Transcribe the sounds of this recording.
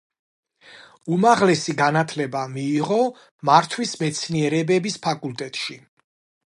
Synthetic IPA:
umaʁlɛsiɡanat̪ʰlɛbamiːʁɔ | maɾt̪ʰwismɛt̪sʰniɛɾɛbɛbispʰakʼult̪ʼɛt̪ʼʃi

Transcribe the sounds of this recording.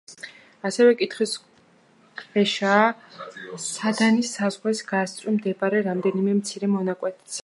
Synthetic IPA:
asɛvɛkʼit̪ʰχwis | kʼvɛʃaː | sad̪anisazʁwɛsɡast̪ʼɾʼimd̪ɛbaɾɛɾamd̪ɛnimɛmt̪sʰiɾɛmɔnakʼwɛt̪ʰsʰ

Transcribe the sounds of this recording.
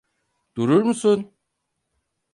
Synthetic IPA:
d̪̥uɾuɾmusun

